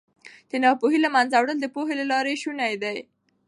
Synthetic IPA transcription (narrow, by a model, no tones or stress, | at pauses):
d̪̥ənɑpoɦilamanzawɽəld̪əpoɦelalɑɾeʃunajd̪aj